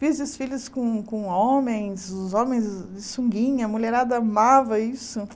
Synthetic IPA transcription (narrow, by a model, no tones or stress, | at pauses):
fizd̪ɪsfilʊskõkõõmẽj̃zʊzõmẽj̃z | ɪsũŋɡĩɲɐmuʎeɾad̪ɐamavɐisʊ